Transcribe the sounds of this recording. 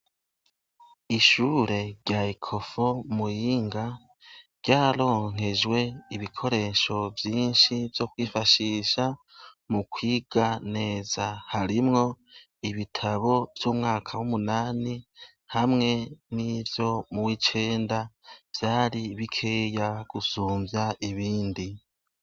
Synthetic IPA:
iʃuːɾe̞ɾɟaikʰo̞fo̞mujiːŋɡḁ | ɟaːɾo̞ːŋ̥e̞d͡ʒwe̞iβikʰo̞ɾe̞ʃo̞vjiːnʃivjo̞kwiːfaʃiʃa | mukwiːɡ̥ane̞ːzahaɾimŋo̞ | iβitʰaβo̞vjuːmŋaːkʰawumunaːni | hamŋe̞nivjo̞muwit͡ʃe̞ːndav̥jaːɾiβikʰeːjaɡ̥usuːmvjaʔiβiːndi

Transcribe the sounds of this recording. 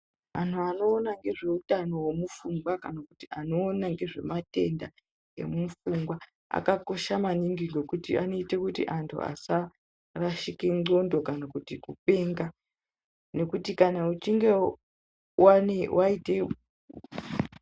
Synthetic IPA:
mantʰuano̞ːnaŋɡe̞ʐe̞utano̞wemufuŋɡwakanakutiano̞ːnaŋɡe̞ʐe̞mate̞nda | ḛmufuŋɡwa | a̰kako̞ʃamaniŋɡiɡo̞kutḭa̰no̞itekutḭʔantʰṵa̰sa | raʃikeŋ͡ǃo̞ndo̞kanakutikupe̞ːŋɡa | ne̞kutikanaut͡ʃiŋɡe̞ | wanewʔaite̞

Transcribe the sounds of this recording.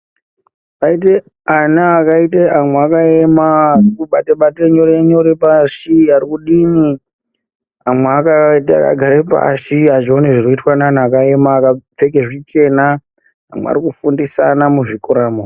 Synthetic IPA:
pait̬e | anaːkaiteʔamwakaemaːrikuɓateɓateeɲo̞ɾeeɲoɾepaʃiaɾikuɗini | amweakata̰ka̰ɡʱaɾepa̰ʃiat͡ʃioneʐiroitwananaːkaemaːkap͡fekeʐit͡ʃe̞na | a̰mwḛa̰ɾikufundisa̰namuʐikoɾaːmo

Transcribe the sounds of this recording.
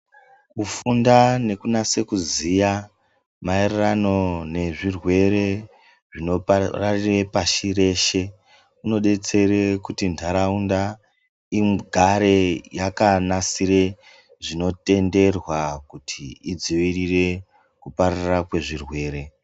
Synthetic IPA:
ufundane̞kunase̞kuzija | maererano̞ne̞ʐirwe̞ɾe | ʐinorarirepaʃiɾe̞ʃe̞ | uno̞ɗe̞t͡se̞ɾe̞kutintʰaɾaunda | imɡʱaɾe̞jakanasiɾe̞ | ʐino̞te̞nde̞rwakutʰiid͡ziʋirire̞ | kupaɾarakwe̞ʐirwe̞ːɾe̞

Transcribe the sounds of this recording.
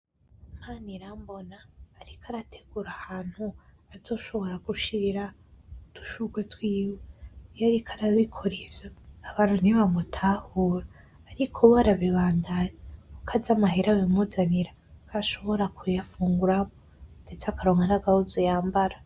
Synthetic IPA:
um̥aniɾambo̞naːɾikʰaɾatʰe̥ɡ̥uɾahaːn̥huazo̞ʃo̞βo̞ɾaɡuʃiɾiɾa | d̥u̥ʃuɡwetwiːwejaɾikʰaɾaβikʰo̞ɾevjaːβaːn̥huniβamutʰahuːɾaː | ɾikʰoβaɾaβiβaːndaɲeukʰazamaɦeɾawimuzaniɾa | kaʃo̞βo̞ɾakujafuːŋɡuɾamo | nd̥et͡sakaɾoːŋɡanaɡahuzojaːmbaɾa

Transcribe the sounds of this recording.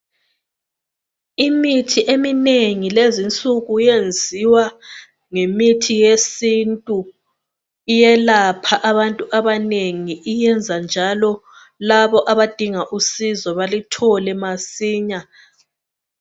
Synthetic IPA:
imitʰiʔemineŋilezint͡sʼuɣujend͡zʱiwa | ŋemitʰijesintʼu | ijɛlapʰaʔaβantʼuʔaβaneŋiʔijɛnd͡zʱand͡ʒʱalɔ | laβɔʔaβad̥ʱiŋaʔusizɔβalitʰɔlɛmasiːɲa

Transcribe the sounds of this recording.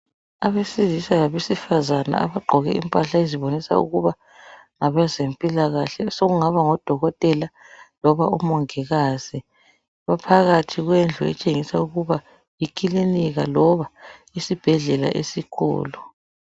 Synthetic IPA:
aβesizisajaβesifazana̰a̰βaɡ͡ǃʱɔɣɛʔḭmpʼaɬaeziβonisa̰ṵɣuβa | ŋaβazempʼilaɣaɬɛsoɣuŋaβaŋɔd̥ʱɔɣɔtʼɛla | lɔβaumɔŋɛɣaːz̥ɛ | βapʰaɣatʰiɣwɛnd͡ɮʱɔɛ̰t͡ʃʼeŋisauɣuβa | jikʼiliniɣalɔβaisib̥ʱɛɮɛla̰ʔesikʰɔ̰ːlɔ

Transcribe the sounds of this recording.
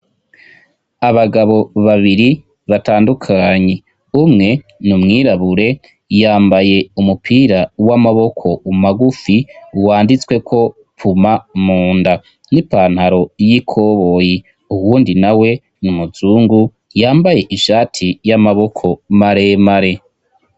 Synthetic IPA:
aβaɡaβo̞βaβiɾi | βataːndukʰaːɲe̞ | umŋe̞ | numŋiːɾaβuɾe̞ | jaːmbaje̞umupʰiːɾawamaβo̞kʰo̞umaɡufiuwaːndit͡swe̞kʰo̞ | pʰumamuːnda | nipaːn̥haɾo̞jikʰo̞βo̞ji | uwuːndinawe̞ | numuzuːŋɡu | jaːmbaje̞ʔiʃaːtʰijamaβo̞kʰo̞maɾemaɾe̞

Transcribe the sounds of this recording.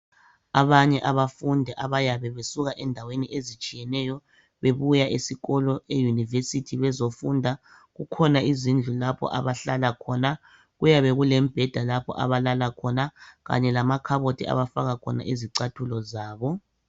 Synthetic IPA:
aβaɲɛʔaβafundʱɛʔaβajaβɛβesuɣaʔɛndʱaweniʔezit͡ʃʼijɛnɛjɔ | βeβujaʔesiɣɔlɔejunivesitʰiβɛzofundʱa | ɣukʰɔnaizind͡ɮʱulapʰɔ̰ʔa̰βaɬalakʰɔna | ɣujaβɛɣulɛm̩b̥ʱɛd̥ʱalapʰɔ̰ʔa̰βalalakʰɔnaɣa̰ɲɛlamakʰaβotʰia̰βafaɣakʰɔ̰na̰ʔiziǀatʰulɔzaːβɔ

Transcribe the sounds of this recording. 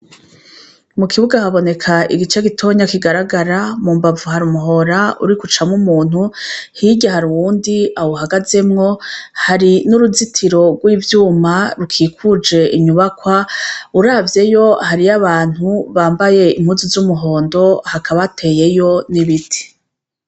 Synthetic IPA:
mukʰiβuɡahaβo̞ne̞kʰaiɡit͡ʃeɡitʰo̞ɲakiɡaɾaɡaɾamuːmbavuhaɾumuɦo̞ɾaṵɾikut͡ʃamŋumuːn̥huhiɟaɦaɾuwuːndiawoɦaɡaze̞mŋo̞haɾinuɾuzitʰiɾo̞ɡwiːvjuːmaɾukʰiːkʰud͡ʒe̞iɲuβakwauɾaːvje̞jo̞haɾiaβaːn̥huβaːmbaje̞im̥huːzuzumuɦo̞ːndo̞hakʰaβatʰe̞ːje̞jo̞niβitʰi̥

